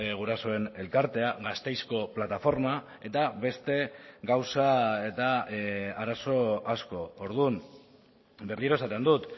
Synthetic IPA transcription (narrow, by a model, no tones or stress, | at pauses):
ɣuɾaso̞e̞ne̞lkaɾt̪e̞aɣast̪e̞jsko̞plat̪afo̞ɾma | e̞t̪aβe̞st̪e̞ɡawsae̞t̪aaɾaso̞asko̞oɾðum | be̞rliɾo̞sat̪e̞nd̪ut̪